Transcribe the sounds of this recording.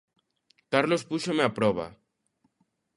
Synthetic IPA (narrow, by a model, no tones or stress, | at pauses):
kaɾlospuʃomeapɾɔβ̞a̰